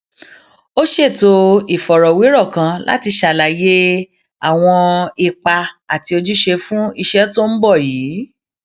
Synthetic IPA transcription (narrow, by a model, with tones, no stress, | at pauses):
o˦ʃe˦˨to˧i˨fɔ˨ɾɔ˨wi˨˦ɾɔ˦˨kã˧la̰˦ti˧ʃa˨la˨je˦ | a̰˦˨w̃ɔ̃˧i˧k͡pa˧a˨ti˧o˧d͡ʒu˦ʃe˧fũ˦i˧ʃɛ˦to˦n̩˦bɔ˦˨jiː˨˦